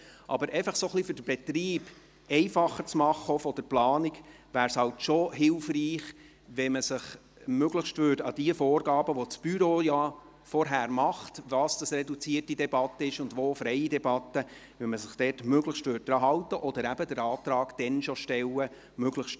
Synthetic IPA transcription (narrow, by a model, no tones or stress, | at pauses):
ʔɑ̰bəɾʔɛɪfəχsoχlifʏdəb̥ɛt̪riːb̥ | ɛɪfɑχəɾt͡smɑχəofɔd̥əɾplɑːnikʋæːɾshɑltʃɔɦɪlfriːχ | ʋɛməsəχ | møɡləχʃtvʏːɾdɑd̥iəfoːɾɡɑːbəʋɔt͡sb̥yɾojɑ | fɔɾɦæːɾmɑχtʋɑːsd̥ɑsrɛdut͡siətidɛbɑt̪ːəɪʃʊnd̪ʋoːfɾɛɪidɛbɑt̪ːə | ʋɛməsəχd̥ɛːtmøɡləxʃtvʋʏːt̚dɾɑɦɑwtəʔɔd̥̪əɾæbədəɾɑːt̪ɾɑːɡ̥d̥ɛnʃɔʃtɛlːə | møɡləχʃt